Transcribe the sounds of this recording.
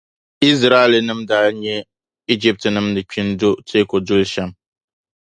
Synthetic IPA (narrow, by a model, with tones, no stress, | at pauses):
i˦zɾa˦˨lɨ˨nɨ˦mdaː˦ɲɛ˦ | i˦d͡ʒi˦p̚tɨ˨nɨ˦mnɨ˨k͡pi˦ndo˦tʰe˦ko˨dʊ˦lʃa˦m